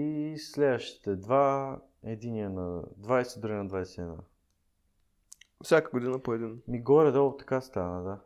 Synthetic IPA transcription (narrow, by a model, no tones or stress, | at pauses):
islɛd̪vəʃt̪i̥t̪ɛd̪va | ɛd̪iniɛnɐd̪vajsɛd̪ɾuɡənɐd̪vajsɛɛd̪na̰ | fsʲakəɡod̪inəpoɛd̪inmiɡɔɾɛd̪ɔt̪ɐ̥kast̪anəd̪a